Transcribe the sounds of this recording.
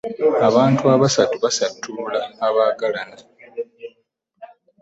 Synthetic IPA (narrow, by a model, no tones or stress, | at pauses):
aβaːntuaβasatuβasatʰːulaːβaːɡalana